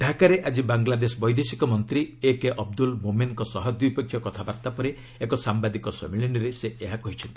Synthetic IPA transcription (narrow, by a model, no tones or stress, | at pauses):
ɖʱakaɾeʔad͡ʒibaŋɡlad̪esɔbɔjd̪esikɔmɔnt̪ɾiekeʔɔb̚d̪ulmomenkɔsɔɦɔd̪ujpekʰːjɔkɔt̪ʰabaɾt̪apɔɾe | ekɔsambad̪ikɔsɔ̰miɭiniɾeseeɦakɔɦit͡ʃʰɔnt̪ii̥